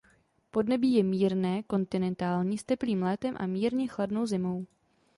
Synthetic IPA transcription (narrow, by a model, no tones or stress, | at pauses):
po̞dnɛbiːjɛmiːɾnɛːko̞nt̪ɪnɛnt̪aːlɲiːst̪ɛpliːmlɛːt̪ɛmʔa̰miːɾɲɛxladno̞wzɪmo̞w